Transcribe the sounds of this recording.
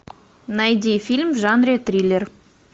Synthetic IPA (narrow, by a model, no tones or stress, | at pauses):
nɑjd̪ifilʲmʒɑnɾet̪rʲilʲeɾ